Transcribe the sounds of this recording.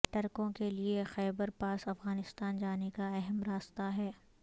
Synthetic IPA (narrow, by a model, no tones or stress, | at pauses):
ʈɐɾkõkeliexɛːbəɾpaːsɐfɣaːnɪst̪aːnd͡ʒaːnekaɛɦɛmɾaːst̪aɦɛː